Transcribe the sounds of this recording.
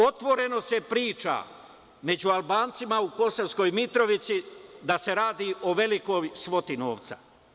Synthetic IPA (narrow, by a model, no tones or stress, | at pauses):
o̞t̪ʋo̞ɾe̞no̞se̞pɾiːt͡ʃa̰ | me̞d͡ʑualˠbaːnt̪simauko̞soʋsko̞jmit̪ɾo̞ʋit̪sid̪ase̞ɾaːd̪iʔo̞ʋe̞liko̞jsʋo̞t̪ino̞̰ːʋt̪sa̰